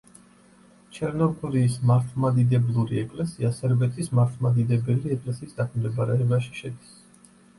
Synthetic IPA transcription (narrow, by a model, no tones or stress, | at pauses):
t͡ʃʰɛɾnɔkʰuliːsmaɾt̪ʰlˠmad̪id̪ɛblˠuɾiɛkʼlɛsiasɛɾbɛt̪ʰʼismaɾt̪ʰlˠmad̪id̪ɛbɛliɛkʼlɛsiːsd̪ak̪ʰmd̪ɛbaɾɛːbaʃi̥ʃɛd̪is